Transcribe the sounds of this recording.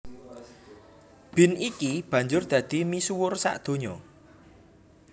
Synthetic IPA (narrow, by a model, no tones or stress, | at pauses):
b̥ɪ̤nikib̥ä̤ɲd͡ʒʊrd̪̥ä̤d̪̥i̤misuwʊrsa̰ʔd̪̥o̤ɲɔ